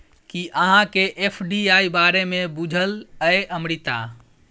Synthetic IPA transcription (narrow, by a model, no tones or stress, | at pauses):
kiʔəɦãkeʔepʰɖiaibaɾemẽbud͡ʒʱələeʔəmɾit̪a̰